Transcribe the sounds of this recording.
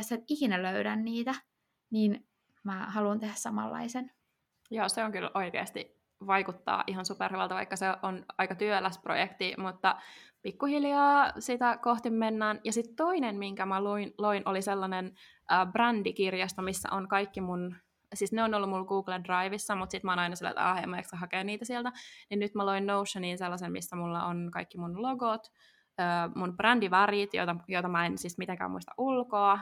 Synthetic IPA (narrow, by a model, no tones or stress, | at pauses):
set̪ihinæløyɾænniːt̪æ | niːn | mæhɑluunt̪ehæssɑmɑ̰lːɑ̰isen | joːseoŋkylʔo̞ikḛːst̪ḭ | ʋɑjkut̪ːɑ̰ːʔiɦɑnsuperheʋɑlt̪ɑʋɑ̰ikːɑseʔonɑikɑt̪yølæsprojekt̪imut̪ːɑpikːuhiljɑːsit̪ækoht̪imːenːæːnjɑsit̪t̪oinenmiŋkæmæluinloinʔoliselːɑnen | ʔəːbrændikirjɑst̪ɑmisːæ̰ʔonkɑikːimun | sisneonolːumulɡuːɡlendrɑiʋisːɑmut̪sit̪mɑoːnɑinɑsil̰ːt̪ɑ̰ːhḛmːɑekskɑɦɑkeːniːt̪æsielt̪æninnyt̪mæloinnousːɑninselːɑsenmḭsːæmulːɑ̰onkɑikːimunloɡot̪ | øːmunb̥rændiʋɑrit̪jo̰t̪ɑjot̪ɑmɑensismit̪eŋkæ̰ːmṵist̪ɑ̰ʔulkoɑ